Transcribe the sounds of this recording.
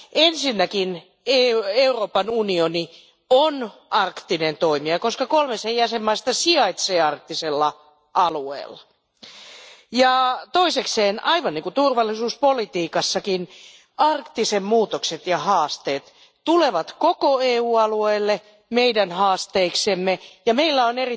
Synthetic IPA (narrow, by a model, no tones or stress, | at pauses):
ʔensinːækin | eeuroːpɑnunioni | onɑrkt̪inent̪oimiɑkoskɑkolmesejæsemːɑisest̪ɑsiɑit̪seːɑrk̚t̪ːiselːɑ | ʔɑluḛːlːɑ̥ | jɑt̪oisekseːnɑiʋɑnniŋkut̪urʋɑlːˑisuːspolit̪iːkɑsːɑkin | ɑrkt̪isemmuːt̪okset̪jɑhɑːst̪eːt̪ | t̪uleʋɑt̪kokoeːuːɑlueːlːe | meidænhɑːst̪eiksemːejɑmeilːæoneri